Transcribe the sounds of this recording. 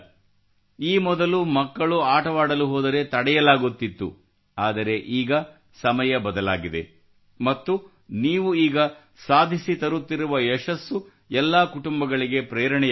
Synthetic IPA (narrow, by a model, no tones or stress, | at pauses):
iːmɔd̪ɐlumɐkːɐɭuaːʈɐʋaːɽɐluɦɔːd̪ɐɾe̞t̪ɐɽɛjɐlaːɡut̪ːit̪ːṵ | aːd̪ɐɾe̞ʔiːɡɐ | sɐmɐjɐbɐd̪ɐla̰ːɡid̪e̞̰ | mɐt̪ːu | niːʋuiːɡɐ | saːd̪ʱisit̪ɐɾut̪ːiɾuʋɐɛʃɐsːu | ɛlːaːkuʈumbɐɡɐɭiɡe̞pɾeːɾɐɳɛ